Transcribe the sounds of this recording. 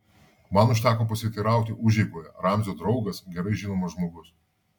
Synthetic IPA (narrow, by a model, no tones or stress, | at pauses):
mɐnʊʃ̬ʲt̪ʲæːkoːp̬ɐsʲɪt̪ʲiːɾɑˑʊt̪ʲɪʔʊʒʲɛɪkoːjɛɾɑˑmʲzʲoːd̪ɾɒʊɡɐsɡʲɛɾɐɪʒʲɪnoːmɐʒmoːɡʊs